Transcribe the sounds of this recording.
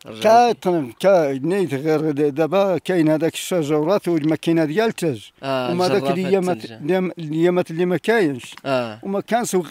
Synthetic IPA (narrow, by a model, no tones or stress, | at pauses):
kæt̪ˤnkænijt̪ɣiɾd̪æbækæjənhæd̪ækə̥ʃæʒɑwɾˤɑt̪wəlmækinæd̪jælt̪əʒwmæhd̪ækljæmæd̪mljːæmæt̪lːimækæjənʃwmækænʃw